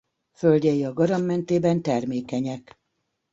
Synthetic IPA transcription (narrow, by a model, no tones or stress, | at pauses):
følɟɛjiɒɡɒɾɒmːɛnt̪eːbɛnt̪ɛrmeːkɛɲɛk